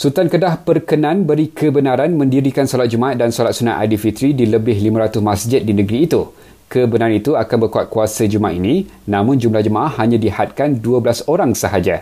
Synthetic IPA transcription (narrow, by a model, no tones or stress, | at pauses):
sut̪ankədahpərkənãnbəɾikʰəbənãɾanmə̃ndiɾikansolat̪̚d͡ʒumaat̪̚dansolat̪sunaʔa̰difit̪ɾidiləbɪhlimãɾat̪ʊsmãsd͡ʒɪt̪̚dinə̃ɡɾiːt̪u | kəbənaɾanit̪uakanbərkuat̪̚kuasəd͡ʒumaaʔinĩ | nãmʊ̃nd͡ʒumlahd͡ʒəmaʔahːaɲãdihat̪̚kanduəbəlasoɾaŋsəɦad͡ʒa